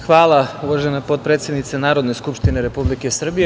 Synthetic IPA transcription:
xʋaːlˠauʋaʒenapo̞t̪̚pɾet̪sjed̪nit̪senaːɾo̞d̪neskupʃt̪ineɾe̞publikesr̩bije

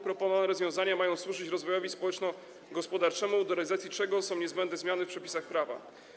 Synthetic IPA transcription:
pɾɔpɔnɔvnɛɾɔzvʲjɔ̃w̃zaɲamajɔ̃w̃swuʐɘt͡ɕɾɔzvɔjɔvʲispɔwɛt͡ʂnɔ | ɡɔspɔd̪aɾt͡ʂɛmud̪ɔɾɛlʲizat̪sʲjit͡ʂɛɡɔsɔ̃w̃ɲɛzbɛnd̪nɛzmjanɘfpʂɛpʲi̥saxpɾava̰

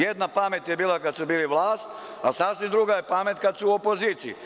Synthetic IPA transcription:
jed̪napame̞t̪jebiːlˠakad̪subiːliʋlˠaːst̪ | asasʋimd̪ɾuɡajepame̞t̪kad̪suuopo̞ziːt̪siḭ

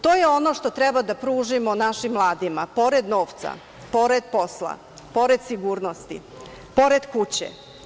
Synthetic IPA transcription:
t̪oːjeo̞no̞ʂt̪o̞t̪ɾɛbad̪apɾuːʒimo̞naʃimːlˠaːd̪imapo̞ɾed̪no̞ːft̪sa̰ | po̞ɾed̪̚po̞slˠa̰ | po̞ɾed̪siɡuːɾno̞st̪ḭ | po̞ɾed̪kut͡ɕḛ

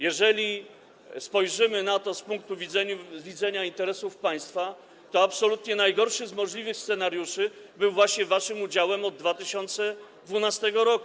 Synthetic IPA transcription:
jɛʐɛlʲi | spɔjʐɘmɘnat̪ɔspuŋk̚t̪uvʲizɛɲuvʲid̪zɛɲaint̪ɛɾɛsufpaj̃st̪fa | t̪ɔapsɔlut̪ɲɛnajɡɔɾʂɘzmɔʐlʲivɘxst̪sɛnaɾjuʂɘbɘwvwaɕɲɛvaʂɘmud͡ʑawɛmɔd̪ːvat̪ɘɕɔnt̪sɛd̪vunast̪ɛɡɔɾɔku̥

